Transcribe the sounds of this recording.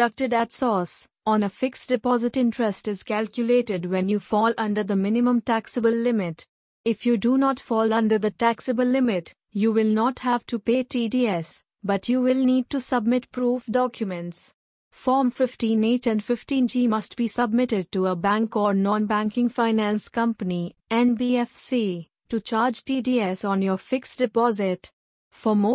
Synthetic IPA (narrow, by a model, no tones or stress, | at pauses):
ʌk̚ʈɪɖætsɔːs | ɔ̃nəfɪksd̥ɪpɔːzɪʈɪ̃nʈɾɛsʈɪz̥kælkjʊleːʈɪɖwɛ̃njuːfɔːlʔʌ̃nɖəɾd̪əmɪ̃nɪmə̃mʈæksəbəlːɪmɪʈ | ɪfjuɖunɔːʈfɔːlʌ̃ndəɾd̪ətæksəbəlːɪmɪʈ | juʋɪlnɔːʈhæʋʈupeːʈʰiɖiɛs | bʌʈʰjuːʋɪlniːɖ̚ʈusʌbmɪʈpɾuːfdɔkʰjumə̃nʈs | fɔːɾmfɪfʈĩːneːt͡ʃɛ̃nɖfɪfʈĩːnd͡ʒiːmʌst̚b̥iːsʌb̚mɪʈɪɖ̚ʈuəbæ̃ŋkɔːɾnɔ̃nbæ̃ŋkɪ̃ŋfaɪnæ̃nskʌ̃mpəniɛ̃nbiɛfsi | ʈut͡ʃaːɾd͡ʒʈiːɖiːɛsɔ̃njɔːfɪksd̥ɪpɔːzɪt | fɔmoː